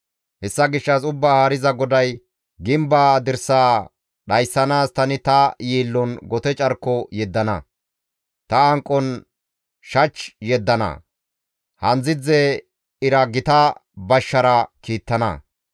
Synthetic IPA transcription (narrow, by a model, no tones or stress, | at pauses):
hɛsːɐɡɪʃːɐsʊbːaːhaːɾɪzɐɡɔd̪ɐj | ɡɪmbaːd̪ɪɾsaː | ɗɐjsːɐnaːst̪ɐnɪt̪ɐjiːlːɔnɡɔt̪ɛt͡ʃʼɐɾkːɔjɛd̪ːɐnɐ̰ | t̪ɐɐŋkʼːɔn | ʃɐt͡ʃːjɛd̪ːɐnɐ̰ | hɐnzɪd͡zɛ | ɪɾɐɡɪt̪ɐbɐʃːɐɾɐkiːt̪ːɐnɐ̰